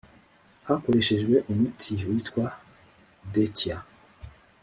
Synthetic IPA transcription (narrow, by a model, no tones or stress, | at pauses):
hako̞ɾe̞ʃe̞ʒɡwe̞ʔumutʰiwitkwa | decja